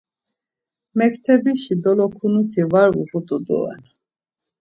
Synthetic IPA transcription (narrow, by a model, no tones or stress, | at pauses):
mɛkʰt̪ʰɛbiʃid̪ɔlɔkʰunut̪ʰivaɾɣuɾut̪ʼud̪ɔ̰ɛ̰n